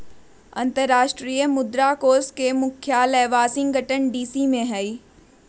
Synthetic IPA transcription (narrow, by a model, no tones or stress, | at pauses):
ɐ̰̃nt̪əɾːaːʃʈɾiːjəmʊd̪ɾakoːskemʊkʰjaːlɛːʋaːsɪ̃ŋɡʱɐʈənɖiːsimẽɦɐiː